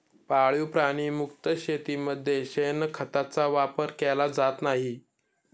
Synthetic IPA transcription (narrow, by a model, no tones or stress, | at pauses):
paɭjupɾaɽ̃iːmukt̪əɕet̪iməd̪ʱːjeɕenəkʰət̪at͡saʋapəɾkɛlad͡zat̪naɦi